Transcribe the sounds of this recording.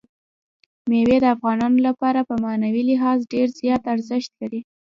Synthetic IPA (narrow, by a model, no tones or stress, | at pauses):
mewed̪əafɣɑnɑnolapɑɾapəmanawilɪɦɑzɖeɾzjɑt̪aɾzəʃt̪̚kaɽi